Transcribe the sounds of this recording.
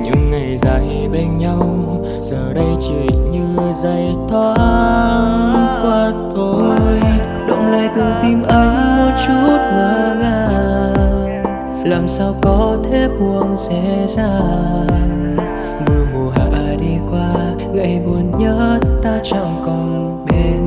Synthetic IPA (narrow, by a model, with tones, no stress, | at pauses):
ɲɨ̰˧˥ŋːa˨˩jzə̰˧˨˩j | ɓə˧jŋɲa˧w | z̥əː˨˩ɗə˧jt͡ɕi˨˩ɲɨ˧zə˧˩j | t̪ʰwa˧ | ŋkwaː˧t̪o˧j | ɗo̰˧˥ŋ͡mlaː˧˩jt̪ɨ˨˩ŋt̪i˧mʔə˨˦ŋmo˨˩t̚t͡ɕu˦˥t̚ŋəː˧˦ŋaː˧˩ | laː˨˩msaː˧wkɔ˨˦t̪ʰe˦ɓu˧˩əŋsɛ̰˧˥zaː˧˩ŋ | ɓɨ˨˩əmo˨˩ɦa̰ː˧˨ʔɗi˧kwaː˧ | ɣə̰˧˥jmu˨˦ənɲəː˨˦˥t̪aː˧t͡ɕɔ̰˧˩ŋ͡mkə˧˩wŋ͡m | ɓe˧n